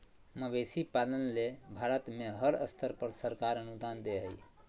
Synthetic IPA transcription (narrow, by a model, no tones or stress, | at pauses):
məbesipalənlebʱaɾət̪meɦəɾə̰st̪ʰəɾpəɾsəɾkaɾənud̪and̪eɦəj